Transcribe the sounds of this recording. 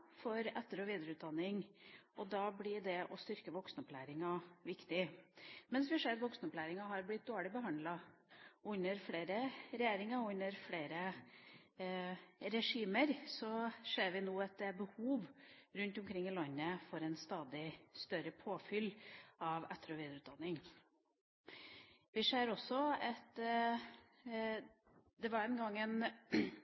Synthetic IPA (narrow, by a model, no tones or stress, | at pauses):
fɔɾɛt̪ːəɾɔʋiːd̪əɾəʉːt̪̚d̪ɑnːɪŋʔɔd̪ɑːblɪɖɛʔɔst̪ʏɾkəʋɔksnəɔplæːɾɪŋɑʋɪkt̪ɪmɛnsʋɪhʂeːɾɑt̪ʋɔksnəʊplæːɾɪŋɑɦɑɾblɪt̪̚d̪oːɭɪbəɦɑnd̪lɑ | ʉnːəɾfleːɾəɾɛjeːɾɪŋɑɔʉnːəɾfleːɾə | ɾɛʂiːməɾsɔʂeːɾʋɪnoːɑt̪̚d̪ɛæɾbəhuːʋɾʉnt̪ɔmkʰɾɪŋːɪlɑnːəfɔɾɛnst̪ɑːd̪ɪst̪œɾəpʰoːfʏlɑʋɛt̪ːəɾɔʋiːd̪əɾʉːt̪̚d̪ɑnːɪŋ | ʋɪʂeːɾɔsːɔɑt̪ | d̪ɛʋɑɾɛnɡɑŋːɛn